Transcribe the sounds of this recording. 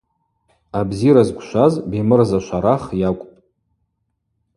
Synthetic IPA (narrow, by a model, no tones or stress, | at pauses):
abziɾazɡʷʃʷazbimɨrzaʃʷʰaɾaχjakʷʼpʼ